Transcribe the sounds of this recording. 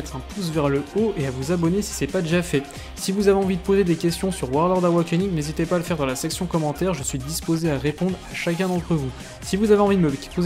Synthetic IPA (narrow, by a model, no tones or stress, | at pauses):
ɛt̪χɛ̃p̪ʰus̬vɛʁləoeavuzabɔnesi̥sɛpad̪eʒafɛ | sivuzaveɑ̃vid̪əpozed̪ekʲɛst̪jɔ̃syʁwaʁd̪aʁd̪awakɛniŋnezit̪epaːləfɛʁd̪ɑ̃lasɛksjɔ̃kɔmɑ̃t̪ɛʁʒəsɥid̪ispozeaʁepɔ̃d̪ʁaʃak̬ʲɛ̃d̪ɑ̃t̪χəvu | sivuzaveɑ̃vid̪əməpo